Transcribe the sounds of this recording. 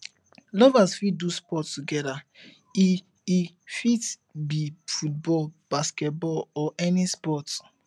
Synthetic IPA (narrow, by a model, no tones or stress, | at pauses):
lɔvasfitduspɔttuɡɛda | i | i | fit | bifut̚bɔlb̥askɛt̚bɔlɔʔɛnispɔt